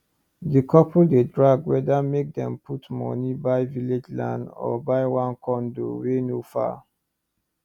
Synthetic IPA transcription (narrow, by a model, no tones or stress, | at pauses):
dikʰɔpʰɔldedɹaɡwɛdamek̚dɛ̰̃mpʰutmɔ̰nibaɪviled͡ʒlã̰ndɔ̰baɪwãnkɔ̃ndo̰wenofa̰